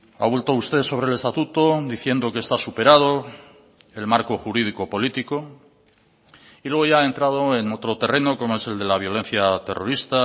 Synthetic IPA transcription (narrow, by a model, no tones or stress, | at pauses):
a̰βwe̞lt̪oust̪e̞ðso̞β̞ɾele̞st̪at̪ut̪o̞d̪iθje̞nd̪o̞kest̪asupe̞ɾað̞o̞ | e̞lmaɾko̞xuɾið̞iko̞po̞lit̪iko̞ | ilwe̞ɣoʝaae̞nt̪ɾað̞o̞e̞no̞t̪ɾo̞t̪e̞re̞no̞ko̞moe̞se̞ld̪e̞laβ̞jo̞lẽ̞n̟θjat̪e̞̰rʔo̞̰ɾist̪a